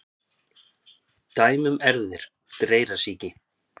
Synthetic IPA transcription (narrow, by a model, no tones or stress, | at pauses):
t̪aːjmʏmɛɾðɪɾ̥ | t̪ɾeːjɾasiːcɪ